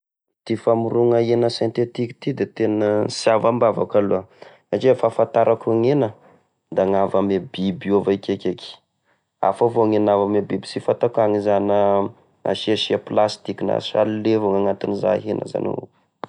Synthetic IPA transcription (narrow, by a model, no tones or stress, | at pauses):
t̪ifamuruŋəenəsẽnt̪et̪iki̥t̪id̪et̪enəsiavambavakaluə | at͡ʃefafant̪aɾʔakuŋenə | d̪aŋavamebibiovakʲekʲekʲ | a̰favoŋenavəmebibi̥sifat̪akaŋizanə | a̰ʃiaʃiaplast̪ikina̰salilevoŋaŋat̪iniza̰ɦenə̰za̰no̰